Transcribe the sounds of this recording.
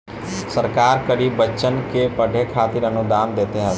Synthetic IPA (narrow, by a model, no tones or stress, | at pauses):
səɾkaːɾkəɾiːbːətːʃənkepəɖʱekʰaːt̪iɾənʊd̪aːmd̪eːt̪eɦɛ̃